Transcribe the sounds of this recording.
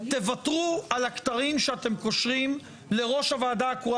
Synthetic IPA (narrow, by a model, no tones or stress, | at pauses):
t̪e̞vat̪ʁualakt̪aʁimʃeat̪e̞mko̞ʃʁim | le̞ʁo̞ʃhavaːd̪aku